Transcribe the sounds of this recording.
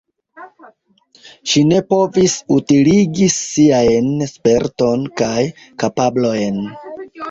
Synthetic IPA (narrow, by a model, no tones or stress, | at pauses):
ʃine̞po̞visutiliɡisiajnspe̞ɾto̞nkaj | kapablo̞jn